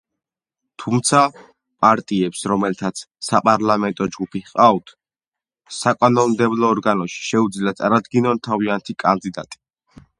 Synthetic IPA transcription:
t̪ʰumt̪sʰa | pʼaɾt̪ʼiɛpsɾɔmɛlt̪ʰat̪sʰsapʼaɾlamɛnt̪ʼɔd͡ʒɡupʰiqʼavt̪ʰ | sakʼanɔnmd̪ɛblˠɔːɾɡanɔʃi̥ʃɛud̪zliat̪sʼaɾad̪ɡinɔnt̪ʰaviant̪ʰikʼand̪id̪at̪ʼi̥

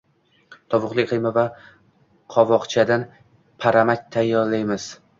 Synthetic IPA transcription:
t̪ʰɒvʊqlˠɪkʲqʰɨjmava | qʰɒvɒqt͡ʃʰad̪an | pʰaɾamak̚ʲt̪ʰajːɒɾlajmɪz̥

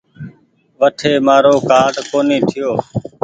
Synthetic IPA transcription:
ʋəʈʰeːmaːɾoːkaːɖkoːniːt̪ʰɪjoː

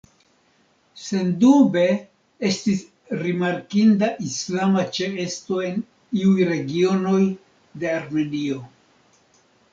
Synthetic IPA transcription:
se̞ndube̞ | e̞stis | ɾimaɾkindaʔislamat͡ʃe̞esto̞e̞n | iujɾe̞ɡio̞no̞j | de̞aɾme̞nio̞

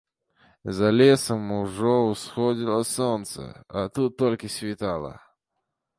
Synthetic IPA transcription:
zɐlʲesəmʊʐɔʊsxodʲilˠəsont̪sə̰at̪ut̪ːolʲkəsʲvʲɪt̪alˠə̰

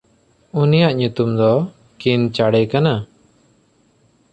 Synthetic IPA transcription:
unijaʔɲut̪umd̪ɔ | kint͡ʃaɽɛkana

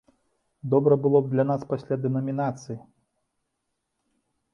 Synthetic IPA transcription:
d̪ɔbɾɐbɨlˠɔbd̪lʲanaspasʲlʲad̪ɛnɐmʲinat̪sɨji

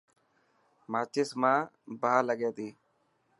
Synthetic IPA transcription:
maːt͡ʃɪsmãː | baːləɡeːt̪iː

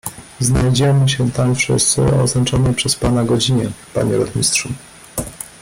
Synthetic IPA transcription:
znajd͡ʑɛmɘɕɛt̪amfʂɘ̰st̪sɘ̰ɔ̰znat͡ʂɔnɛjpʂɛspanaɡɔd͡ʑiɲɛpa̰ɲɛɾɔt̪mʲist̪ʂu

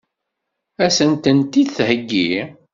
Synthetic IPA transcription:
æsənt̪ənt̪iðθhəɡːi

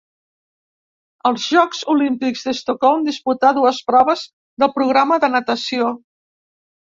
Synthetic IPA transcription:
əlˠzʒɔkzulimpikzðəst̪okɔlˠmd̪isput̪aðuəspɾɔβ̞əz | ðəlˠpɾuɣ̞ɾaməðənət̪əsio

